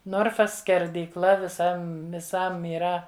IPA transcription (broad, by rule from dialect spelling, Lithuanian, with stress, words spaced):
ˈnoːrfɐs sʲkʲɛrʲdʲiːˈklˠɐ ʋʲɪˈsɐm ʋʲɪˈsɐm iːˈrɐ